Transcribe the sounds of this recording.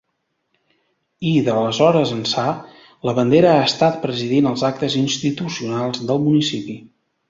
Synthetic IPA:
iðələzɔɾəzənsa | ləβənd̪eɾəaəst̪at̪̚pɾəziðinəlˠzak̚t̪əzinst̪it̪usiunalˠzðəlˠmunisipi

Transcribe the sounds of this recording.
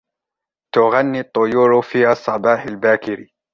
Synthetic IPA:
t̪ʊɣanːit̪ˤːʊjuːɾfiːhasˤːɑbɑːħalbaːkɪɾi

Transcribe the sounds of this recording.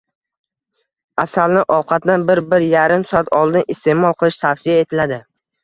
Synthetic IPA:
asalnɪʔɒwqʰɑt̪̚nanbɪɾbɪɾjaɾɪmsɒat̪ʰɒlˠd̪ɪnɪst̪ʰe̞mɒlˠqʰɨlˠɪʃt̪ʰafsɪjae̞t̪ʰɪlad̪ɪ

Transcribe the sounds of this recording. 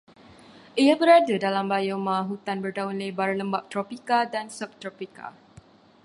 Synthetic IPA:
ʔijabəɾadadalambajomãɦut̪anbərdaunlajbaɾaləmbap̚t̪ɾopikadansəp̚t̪ɾɔpika̰

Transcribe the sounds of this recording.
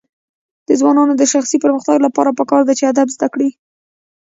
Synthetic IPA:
d̪̥əzwɑnɑnod̪əʃaxsipəɾməxt̪aɡlapɑɾapəkɑɾd̪at͡ʃead̪abzd̪akɽi

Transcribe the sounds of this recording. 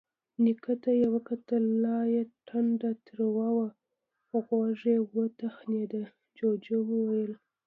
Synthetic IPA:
nikət̪ajawakat̪əlːɑjeʈʰanɖat̪ɾawɑwa | xoɣwaʐewət̪axned̪a | d͡ʒod͡ʒewəwajəl

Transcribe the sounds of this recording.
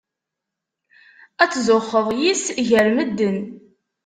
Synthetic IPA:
æt͡sːzʊχːəðˤjisʝəɾməd̪ːən

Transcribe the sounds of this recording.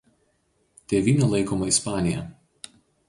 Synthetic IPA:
t̪ʲeːʋʲiːnʲɛlˠɐɪkoːmɐɪspɑːnʲɪjɛ̰

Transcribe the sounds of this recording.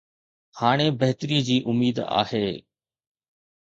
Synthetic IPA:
haːɽ̃ebɐɦt̪ɾiːd͡ʑiːʔʊmiːd̪a̰ːheː

